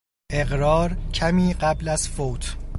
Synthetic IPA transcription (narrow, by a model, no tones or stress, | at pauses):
ʔe̞ɣɾɒːɾcʰæmiːɢæblæz̥foːt̪ʰ